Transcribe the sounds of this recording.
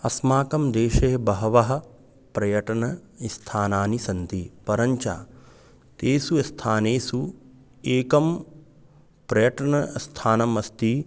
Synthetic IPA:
ɐsmaːkɐmd̪eːʃeːɐbɐɦɐʋɐɦɐ̆ | pɾɐjɐʈɐnɐist̪ʰaːnaːnisɐnt̪ipɐɾɐɲt͡ʃa̰ː | t̪eːsuɐst̪ʰaːneːsu | eːkɐm | pɾɐjɐʈɐɳɐɐst̪ʰaːnɐmɐst̪i

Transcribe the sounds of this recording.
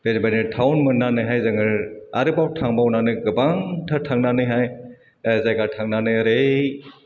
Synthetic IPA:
b̥enbanɯtʰawnmɯnːanɯjɦajzɯŋɯɾaɾɯbawʈʰaŋbawnanɯjɡɯbaŋtʰəʈʰaŋnanɯjɦaj | zajɡaʈʰaŋnanɯjɾe

